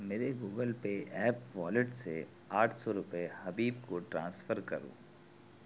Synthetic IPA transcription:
meːɾeɡuːɡəlpeʔɛːpʋɔːlɪʈse | aːʈʰsɔɾʊpehɐbiːbkoʈɾãːnsfəɾkɐ̰ɾṵ̃ː

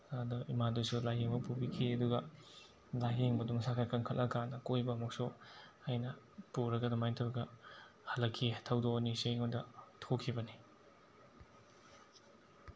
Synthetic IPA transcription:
adɐimadusulajɦeŋbɐpubikʰiɐduɡɐ | lajɦeŋbɐdumsakʰakʰɐŋkʰɐlʔɐkʰanːɐkojbɐmɔk̚sohajnɐ | puɾɐɡɐdɐmajntʰɐɾɡɐ | hɐlːɐkʰːitʰawdoniseŋondɐtʰokʰibɐni

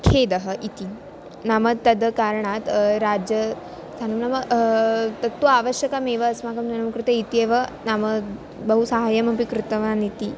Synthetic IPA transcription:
kʰed̪əɦəʔit̪i | namɐt̪ːɐd̪əkaɾɳat̪ɾad͡ʒjə | sanumnamə | t̪ɐt̪ːuaʋəɕjɐkameʋəːsmakɐmnunɐmkɾut̪ɐit̪ieʋənamə | bəɦusaɦajɐmɐpikɾut̪ɐʋanit̪i

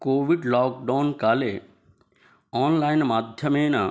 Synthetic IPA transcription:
koːʋiɖlɔːk̚ɖaːnkaːle | ɔːnlaːɪnmaːd̪ʱjəmeːna

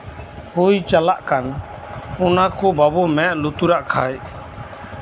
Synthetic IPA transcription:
hujt͡ʃalaʔkan | ɔnakɔbabɔmɛʔlut̪uɾaʔkʰaj

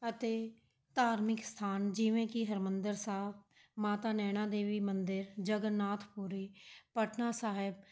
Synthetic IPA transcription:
ət̪eː | t̪aːɾmɪkst̪ʰaːnd͡ʒɪʋẽːkɪɦəɾmənd̪əɾsaːb̚ | maːt̪aːnɛːñãːd̪eːʋiːmənd̪ɪɾd͡ʒəɡənaːt̪ʰpuːɾiːpəʈʰnaːsaːɦɪb

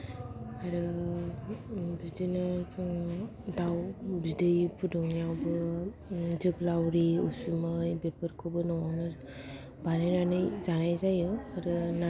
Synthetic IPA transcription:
aɾɯ | bidɯjna | dawbidɯjpʰudɔŋijawbɯ | zɯɡlawɾiusumɯjbepɯɾkʰubɯnɔwawnɯ | banɯjnanɯjzanajzajɯaɾɯna

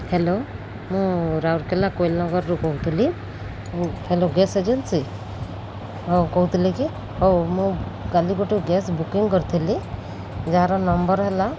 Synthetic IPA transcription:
helo | mũɾawɾkelakojlnɔɡɔɾɾukɔɦut̪ʰili | heloɡesed͡ʒənsi | ɦokɔɦut̪liki | ɦomũkalikoʈiɡesbukiŋɡkəɾt̪ʰili | d͡ʒaaɾɔnɔmbəɾɦela

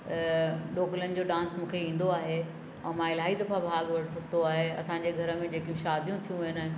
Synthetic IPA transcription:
ɗoːɡlənɪ̆d͡ʑoːɗãːnsmũːkʰeĩːnd̪oaːɦe | ɛ̃ːmãːɪlaːid̪ɐfabʱaːɡʋɐɽʰt̪oaːɦeɐ̰sãɲd͡ʑeɡʱɐɾə̆mẽd͡ʑeːkĩʃaːd̪ʱijũt̪ʰijũʋɐɦənaːɦ

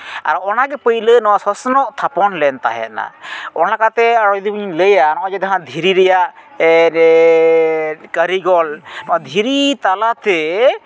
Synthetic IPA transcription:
a̰ɾɔnaɡɛpəjlənɔwasɔsnɔʔt̪ʰapɔnlɛnt̪a̰ɦɛ̰na̰ɔnakat̪ɛəɽɔjd̪ibɲləjanɔad͡ʒɛd̪aɦãd̪ʱiɾiɾɛjaʔ | kəɾiɡɔlnɔwad̪ʱiɾit̪alat̪ɛ

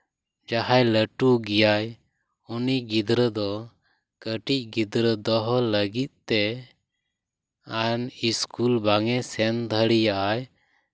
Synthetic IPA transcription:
d͡ʒaɦajləʈuɡijaj | uniɡid̪ɾəd̪ɔ | kəʈic̚ˀɡid̪ɾəd̪ɔɦɔləɡit̪̚t̪ɛ | aniskulbaŋɛsɛnd̪ʱəɽijaʔaj

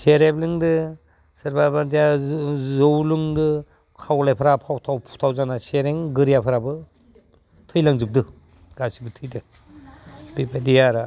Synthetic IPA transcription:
seɾeblɯŋdɯ | sɯɾbabadijazowluŋdɯ | kʰawlajpʰaɾapʰawtʰawpʰu̥tʰawzanaseɾeŋɡɯɾijapʰɯɾabɯ | tʰɯjlaŋzup̚dɯ | ɡasibɯtʰɯjdɯ | bipʰadijaɾa

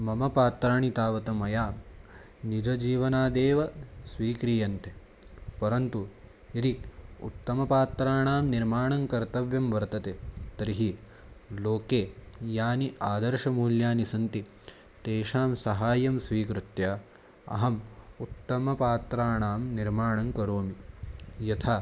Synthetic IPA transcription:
mɐmɐpaːt̪ɾaːɳit̪aːʋɐt̪ɐmɐjaː | nid͡ʒɐd͡ʒiːʋɐnaːd̪eːʋɐsʋiːkɾiːjɐnt̪ʰe | pɐɾɐnt̪u | iɾiṵt̪ːɐmɐpaːt̪ɾaːɳaːmniɾmaːɳɐŋkɐɾt̪ɐʋjɐmʋɐɾt̪ɐt̪et̪ɐɾiɦi | loːkeːjaːniʔaːd̪ɐɾʃɐmuːljaːnisɐnt̪i | t̪eːʃaːmsɐɦaːjɐmsʋiːkɾut̪jaː | ɐ̰ɦɐmut̪ːɐmɐpaːt̪ɾaːɳaːmniɾmaːɳɐŋkɐɾoːmijɐt̪ʰaː

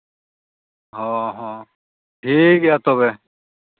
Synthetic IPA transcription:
ɦɔ̃ɦɔ̃ | ʈʰikjat̪ɔβe

